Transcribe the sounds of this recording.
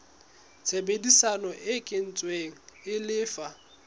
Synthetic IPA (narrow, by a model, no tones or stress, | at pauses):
t͡sʰebedisanɔʔɪkʼɪn̩t͡sʼweŋ̩ɪlɪːfa